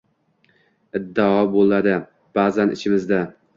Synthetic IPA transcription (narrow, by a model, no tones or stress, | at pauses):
ɪd̪ːaɒbolˠad̪ɪ | b̥aːzanʔɪ̰t͡ʃʰɪmɪzd̪a